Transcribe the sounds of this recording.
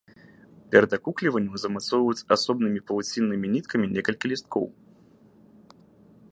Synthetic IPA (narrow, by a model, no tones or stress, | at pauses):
pʲɛɾɐd̪akuklʲivɐnʲːɐzɐmat̪sɔvjut͡sʲasɔbnɨmʲipɐlˠut͡sʲinːɨmʲinʲit̪kʰɐmʲinʲɛkɐlʲkʲilʲist̪̚kʰɔ̰w